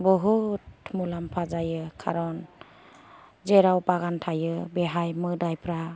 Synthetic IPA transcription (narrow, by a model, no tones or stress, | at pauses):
bɔɦutmulampʰazajɯkʰa̰ɾɔn | d͡ʒeɾawpaɡantʰajɯbeɦajmɯdajpʰɾa